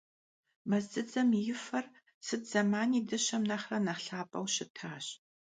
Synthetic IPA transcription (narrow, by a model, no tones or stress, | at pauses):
mɐzdɨd͡zɐmjɪfɐr | sɨtz̥ɐmaːniːdɨɕɐmnɐχrɐnɐχɬaːpʼɐ̰wʃɪtʰaːɕ